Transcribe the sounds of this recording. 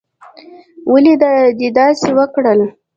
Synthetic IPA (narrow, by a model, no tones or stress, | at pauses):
wəlid̪d̪ed̪ɑsewəkɽəl